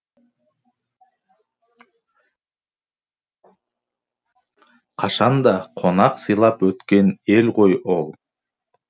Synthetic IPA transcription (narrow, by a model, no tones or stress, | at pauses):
qʰɑʃɑnd̪ɑqʰo̞nɑqsɨjlˠɑpwɵt̪kʲe̞ne̞lqʰo̞jolˠ